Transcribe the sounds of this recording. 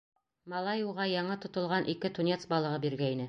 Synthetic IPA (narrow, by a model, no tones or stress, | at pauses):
mɑlˠɑjuwʁɑjɑɴɤt̪ŏt̪ŏlˠʁɑnʔikɘt̪unʲet̪sbɑlˠɤ̆ʁɤbiɾɡæinɘ